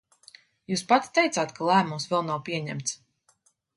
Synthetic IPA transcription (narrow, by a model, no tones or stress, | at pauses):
juːspat̪i̥t̪ɛjt̪saːt̪kalˠæːmumsvɛlˠnawpʲiɛɲæ̰mt̪s